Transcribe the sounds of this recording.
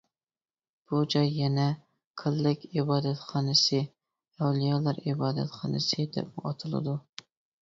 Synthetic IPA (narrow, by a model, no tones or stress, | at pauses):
b̥ud͡ʒɑjːɛnɛ | qʰəlːɪkʲɪbɑːd̪ɛt̪χɑnɨsɨ | æwlˠijɑlˠɑɾibɑːd̪ɛ̰t̪χɑ̰nɨsɨd̪ɛ̰p̚muɑt̪ʰɨlˠɨ̰d̪u